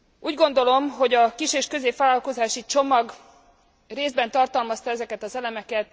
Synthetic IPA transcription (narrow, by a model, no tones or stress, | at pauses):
uːɟɡo̞nd̪o̞lo̞mɦo̞ɟɒkiʃeːʃkø̞zeːpʋaːlɒlko̞zaːʃit͡ʃo̞mɒɡ | reːzbɛnt̪ɒrt̪ɒlmɒst̪ɒɛzɛkɛt̪ɒzɛlɛmɛkɛt̪̚